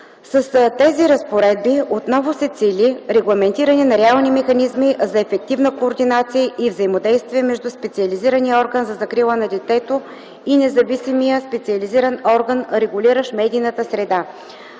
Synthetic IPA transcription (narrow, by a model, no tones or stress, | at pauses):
səst̪ɛziɾɐspoɾɛd̪̚biot̪nɔvʊsɛt̪silʲiɾɛɡlˠɐmɛnt̪iɾɐnɛnɐɾɛalˠnimɛxɐnizmizɐɛfɛk̚t̪ivnəkoːɾd̪inat̪sijəʔivzɐimod̪ɛjst̪viɛmɛʒd̪uspɛt̪siɐliziɾənijəɔɾɡənzɐzɐkɾilˠənɐd̪ɛt̪ɛt̪o | inɛzɐvisimijəspɛt̪siɐliziɾənɔɾɡənɾɛɡʊliɾəʃmɛd̪iːnət̪əsɾɛd̪a